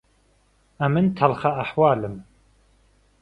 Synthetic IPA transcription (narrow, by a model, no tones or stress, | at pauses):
ɐmɨnt̪ʰɐlχaaħwɑːlɨm